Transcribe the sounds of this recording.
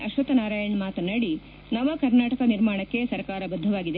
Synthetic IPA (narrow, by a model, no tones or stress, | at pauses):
ʔɐʃʋɐt̪ɐnaːɾaːjɐɳmaːt̪ɐnːɐɽi | nɐʋɐkɐɾnaːʈɐkɐniɾmaːɳɐkːe̞sɐɾkaːɾɐbɐd̪ʱːɐʋaːɡid̪e